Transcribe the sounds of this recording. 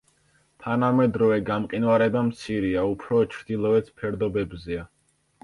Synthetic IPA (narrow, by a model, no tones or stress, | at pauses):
t̪ʰanamɛd̪ɾɔvɛɡamqʼinvaɾɛd̪amt̪sʰiɾiaupʰɾɔt͡ʃʰɾd̪ilˠɔɛt̪spʰɛɾd̪ɔbɛbzɛa